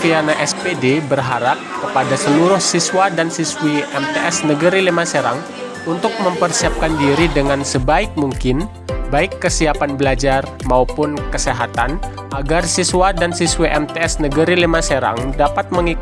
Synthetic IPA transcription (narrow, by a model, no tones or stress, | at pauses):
fianaʔɛspedebərɦaɾap̚kəpadasəluɾʊhsiswadansiswiɛmt̪eʔɛsnəɡəɾilimaseɾa̰ŋ | unt̪ʊk̚məmpərsiap̚kandiɾidəŋansəbaɪk̚muŋkɪn | baɪkːəsiapanbəlad͡ʒarmaupʊnkəseɦat̪an | ʔaɡarsiswadansiswiʔɛmt̪eɛsnəɡəɾilimaseɾa̰ŋdapat̪̚məŋik